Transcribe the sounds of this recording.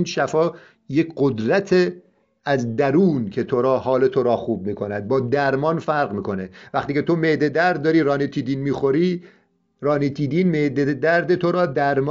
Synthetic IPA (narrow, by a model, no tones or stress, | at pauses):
inʃæfɒː | jecɢod̪ɾæt̪ʰe | æzd̪æɾuːncʰe̞t̪ʰoɾɒːhɒːlet̪ʰoɾɒːxuːb̚miːkʰo̞næd̪̚bɒːd̪æɾmɒːnfæɾɢmiːkʰo̞nevæχt̪iːcʰe̞t̪ʰo̞meʔd̪ed̪æɾd̪̚ːɒːɾiːɾɒːnit̪ʰiːd̪iːnmiːxo̞ɾiː | ɾɒːnit̪ʰiːd̪iːnmeʔd̪ed̪æɾd̪et̪ʰoɾɒːd̪æɾm